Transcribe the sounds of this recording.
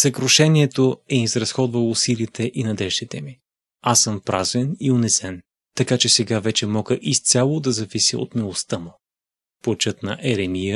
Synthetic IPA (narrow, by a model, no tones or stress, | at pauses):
sɐkɾoʃɛniɛt̪oɛizɾɐsxɔd̪vɐlˠoːsilit̪ɛʔinɐd̪ɛʒd̪it̪ɛmi | asɤmpɾazvɛnionɛsɛn | t̪ɐkat͡ʃɛsɛɡavɛt͡ʃɛmɔɡəʔist̪sʲalˠod̪ɐzɐvisḭo̰t̪milˠost̪amʊ | pot͡ʃɤt̪nɐ̰ʔɛɾɛmijə